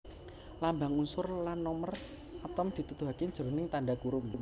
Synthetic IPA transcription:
lambaŋunsʊrlanːɔmər | at̪ɔmd̪̥i̤t̪ut̪uɦakeɲ̥d͡ʒ̥əɾunɪŋt̪aɳɖakuɾʊm

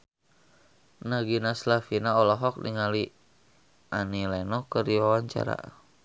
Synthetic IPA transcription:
naɡinaslafinaɔlɔɦɔk̚nḭŋali | ʔanilɛnɔkəriwawaɲt͡ʃa̰ɾa̰

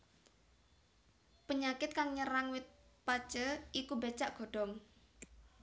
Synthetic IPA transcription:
pəɲakɪt̪̚kaŋɲəɾaŋwɪt̪̚pat͡ʃəikubet͡ʃaʔɡ̥ɔ̤ɖ̥ɔ̤ŋ

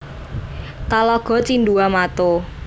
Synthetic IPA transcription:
t̪alɔɡ̥ɔ̤t͡ʃinduamat̪o

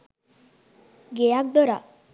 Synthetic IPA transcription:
ɡejak̚d̪ɔɾa

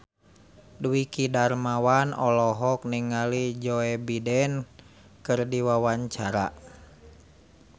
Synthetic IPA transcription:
duwikidarmawanɔlɔɦɔk̚niŋalid͡ʒɔɛbidɛn | kɨrdiwawaɲt͡ʃaɾa̰

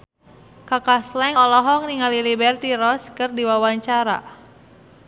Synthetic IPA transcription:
kakaslɛŋɔlɔɦɔŋniŋalilibɛrt̪iɾɔskɨrdiwawaɲt͡ʃaɾa̰

